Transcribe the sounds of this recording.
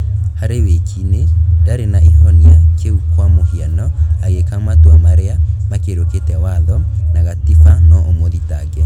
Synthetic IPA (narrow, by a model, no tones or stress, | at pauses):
haɾewekʰinedaɾenaʔiðɔniakʰeukwamohianɔaɣekamatoamaɾeamakeɾoketɛwaðɔnaɣatifanɔomoðitaɡɛ